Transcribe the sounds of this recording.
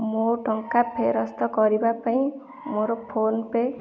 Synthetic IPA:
moʈʌŋkapʰeɾʌst̪ʌɡʌɾibapaĩ | moɾopʰonpe

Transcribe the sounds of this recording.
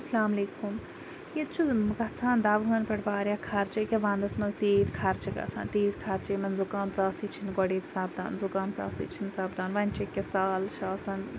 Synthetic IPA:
ɐslaːmɐleːkum | jit̪t͡ʃʰuɡɐt͡sʰaːnd̪ɐʋɦɐːnpɐɽbaːɾʲjaːkʰɐɾt͡ʃɐkʲeʋãːnd̪ɐsmɐnzt̪eːt̪kʰɐɾt͡ʃɐɡɐ̰t͡sʰa̰ːnt̪eːt̪kʰɐɾt͡ʃemɐnzukaːmt͡saːsiːt͡ʃʰinɡɔɽeːt̪saːbd̪a̰ːnzukaːmt͡sa̰ːsḭt͡ʃʰinsaːbd̪aːnʋɐnʲt͡ʃʰɐkʲːesaːlʃaːsɐn

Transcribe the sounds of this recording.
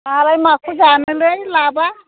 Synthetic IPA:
alajmakʰud͡ʒanɯlejlaba

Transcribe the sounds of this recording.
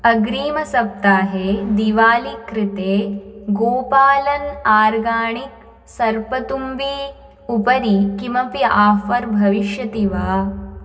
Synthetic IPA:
ɐɡɾiːmɐsɐp̚t̪aːɦeːd̪iːʋaːlikɾɪt̪eːɡoːpaːlɐnaːɾɡaːɳik̚ | sɐɾpɐt̪umbiː | upɐɾikimɐpjɐʔaːfɐɾbʱɐʋiʃjɐt̪iʋaː

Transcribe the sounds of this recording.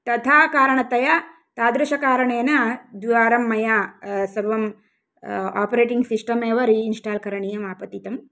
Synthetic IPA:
t̪ɐt̪ʰaːkaːɾɐɳɐt̪ɐjɐ | t̪aːd̪ɾɐʃɐkaːɾɐɳeːnɐd̪iʋaːɾɐmːɐjasɐbʋɐm | a̰ːpɐɾeːʈiŋɡsisʈɐmeːʋɐɾiːnsʈaːlkɐɾɐɳijɐmaːpɐt̪it̪ɐm

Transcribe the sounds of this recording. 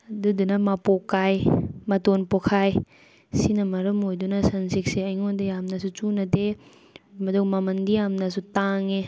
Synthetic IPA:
ɐdudunɐmapokːajmɐtonpokʰaj | sinɐmɐɾɐmojdunɐsɐnsik̚seɐjŋodijamnɐs̬ut͡ʃunɐde | mɐdowmɐmɐndijamnɐsutaŋe

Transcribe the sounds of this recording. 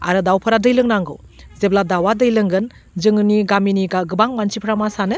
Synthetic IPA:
a̰ɾɯdawpʰɐɾadɯjlɯŋnaŋɡɯ̰w | zebladawadɯjlɯŋɡɯn | zɯŋɯniɡaminiɡaɡɯbaŋmant͡ʃipʰɾamasanɯ

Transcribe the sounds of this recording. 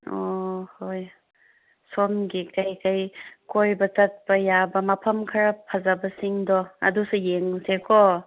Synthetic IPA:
ohoj | somɡikajkajkojbɐtɐt̚pɐjabɐmɐpʰɐmkʰɐɾapʰɐzɐbɐsiŋdɔɐ̰dusujeŋsekʰɔ

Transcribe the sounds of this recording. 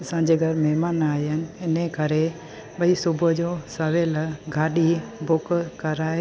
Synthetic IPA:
sãːd͡ʑeːɡʱɐɾmɛɦmaːnaːjənɪ̆ɪnekɐɾe | ɓɐisʊbʱəd͡ʑoːsɐʋelɡʱaːɗibʊkkɐɾaːɦe

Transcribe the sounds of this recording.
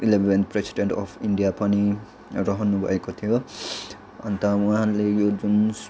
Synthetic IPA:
ilebʱenpresi̥ɖeɳʈɔpʰiɳɖijapani | ɾʌɦʌnːubʱʌ̰ekot̪ʰijo | ʌ̰nt̪ʌũaalejod͡zuns

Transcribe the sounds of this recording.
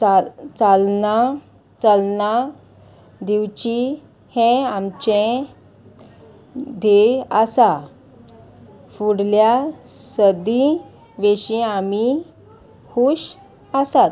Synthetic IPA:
t͡salna | t͡səlna | d̪iwt͡ɕi | hɛ̃amt͡ɕẽ | d̪ʱeəsa | fuɽljasəd̪i | ʋeɕĩami | huɕ | əsat̪

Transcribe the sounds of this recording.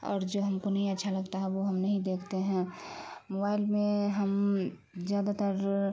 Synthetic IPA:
ɔ̰ːɾd͡ʒoɦɐmkonɐɦĩətːʃʰalɐɡt̪aɦɛ̃ʋoɦɐmnɐɦĩd̪eːkʰt̪eɦɛ̃mobaːɪlmẽɦəm | zjaːd̪at̪əɾ

